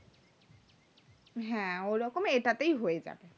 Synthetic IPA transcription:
ɦɛ̃oɾɔkomeʈat̪ejɦojed͡ʑa̰be

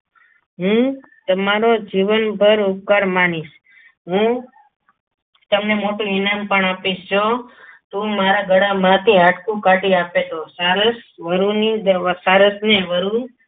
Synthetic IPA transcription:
ɦũ | t̪əmaɾod͡ʒiʋənbʱəɾʊp̚kaɾmaniʃ | ɦũ | t̪əmnemoʈũɪnampəɳapiʃd͡ʒot̪ũmaɾaɡʱəɽamãt̪ʰiaʈkũkaʈiapet̪osaɾəsʋəɾunid̪saɾəsneʋəɾu

